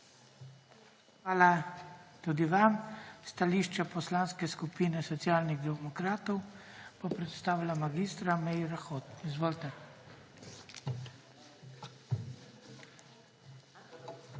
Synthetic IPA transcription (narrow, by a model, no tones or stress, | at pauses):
xʋaːlat̪ud̪iʋamst̪aliːʃt͡ʃɛpɔslaːnskɛskupiːnɛsɔt̪sjaːlniɣd̪ɛmɔkɾaːt̪ɔwpɔpɾɛt̪st̪aːwlamaɡist̪ɾamɛjɾaxot̪izʋoːlt̪ɛ